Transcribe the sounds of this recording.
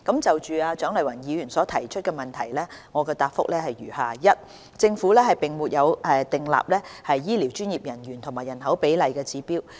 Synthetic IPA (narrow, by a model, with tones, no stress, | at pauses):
kɐ˨˥mt͡sɐ˨wt͡ʃyː˨aː˧t͡ʃœː˨˥ŋlɐ˨˩jwɐ˨˩njiː˨˧jyː˨˩nsɔː˨˥t̪ʰɐ˨˩jt͡ʃʰɵ˥t̚kɛː˧mɐ˨nt̪ʰɐ˨˩jlɛː˥ŋɔː˨˧kɛː˧t̪aː˧t̚fʊ̰˥k̚lɛː˥hɐ˨jɥyː˨˩haː˨jɐ˥t̚ | t͡sɪ˧ŋfuː˨˥lɛː˥ɦɐ˨jpɪ˨ŋmuː˨t̚jɐ˨˧wɛː˧t̪ɪ˨ŋla̰ː˨p̚lɛː˥hɐ˨jjiː˥liː˨˩wt͡ʃyː˥njiː˨p̚jɐ˨˩njyː˨˩nt̪ʰʊ˨˩ŋmaː˨˩jɐ˨˩nɦɐ˨˥wpe˨˥jlɐ˨jkɛː˧t͡siː˨˥piː˥w